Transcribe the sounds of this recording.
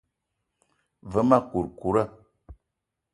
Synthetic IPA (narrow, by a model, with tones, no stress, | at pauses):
və˦ma˦ku˨ɾku˨ɾə˦˨